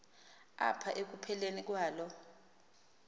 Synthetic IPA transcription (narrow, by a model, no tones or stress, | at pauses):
a̰pʰaʔek̬upʰɛlenik̬waːlɔ